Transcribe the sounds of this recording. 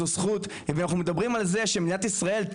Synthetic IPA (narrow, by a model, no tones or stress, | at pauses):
osχut̪ | ivanaχnumed̪abʁimalze̞ʃemd̪inat̪isʁae̞lt̪